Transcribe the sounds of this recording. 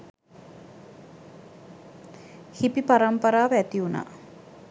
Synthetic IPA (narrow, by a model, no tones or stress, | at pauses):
hipipaɾɐmpaɾaːʋæt̪iuna̰ː